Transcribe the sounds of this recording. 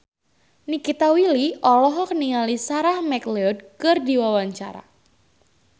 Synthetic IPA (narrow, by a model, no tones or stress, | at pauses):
nikit̪awiliɔlɔɦɔkəniŋalisaɾahmɛkleɔdkɨrdiwawaɲt͡ʃa̰ɾa̰